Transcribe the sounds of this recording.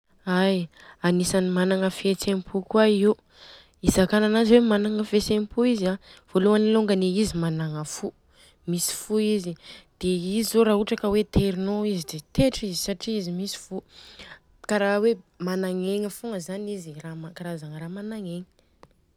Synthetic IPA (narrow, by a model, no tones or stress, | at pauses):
aj | anisanimanaŋəfiet͡sempʰukwaiu | izakananaziwemanaŋəfet͡sempuizav̥oluaniluŋɡəneizimanaŋəfu | misi̥fuizid̪̥eizizoɾaɦuʈ͡ʂakəwet̪ʰeɾinoizid̪et̪eʈ͡ʂizisaʈ͡ʂiizimisi̥fu | kaɾawemanaŋeŋəfuŋəzaniziramakaɾazaŋəɾamanaŋeŋi̥